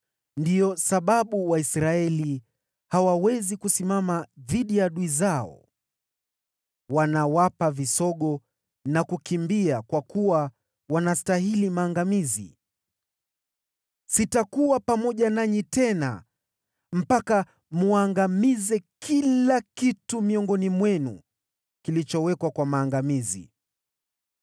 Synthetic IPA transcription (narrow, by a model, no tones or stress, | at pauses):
ndijɔsaɓaɓuwaisɾaɛli | hawawɛzikusimamaðiɗijaɗuizaɔ̰ | wanawapavisɔɠɔ | nakukimbiakwakuwa | wanastaɦilimaːŋɡamizḭ | sitakuwapamɔʄanaɲitɛna̰ | m̩paka | muaŋɡamizɛkʰilakitumiɔŋɡɔnimwɛnṵ | kilit͡ʃɔwɛkwakwamaːŋɡamizḭ